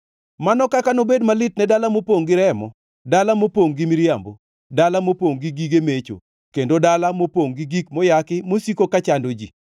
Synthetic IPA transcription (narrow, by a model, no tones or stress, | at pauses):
manɔkakanobedmalɪt̚nɛdalamopoŋɡɪɾɛmɔ̰ | dalamopoŋɡimiɾjambo̰ | dalamopoŋɡiɡiɡemet͡ʃo̰ | kendodalamopoŋɡiɡik̚mɔjakɪmosikokat͡ʃandod͡ʒḭ